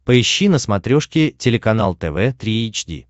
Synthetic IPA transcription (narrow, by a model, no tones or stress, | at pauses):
pəɪɕːinəsmɐt̪ɾʲoʂkʲɪtʲɪlʲɪkɐn̪alˠt̪ɛvɛt̪ɾʲiejt͡ɕdʲḭ